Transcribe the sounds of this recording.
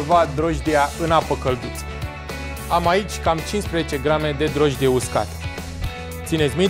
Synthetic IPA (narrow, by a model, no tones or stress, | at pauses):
vat̪̚d̪ɾoʒd̪iaʔɨnapəkəld̪ut̪s | amait͡ʃʲkamt͡ʃinspɾezet͡ʃe̞ɡɾame̞d̪e̞d̪ɾo̞ʒd̪ijeuska̰t̪ | t̪sinet̪sʲmi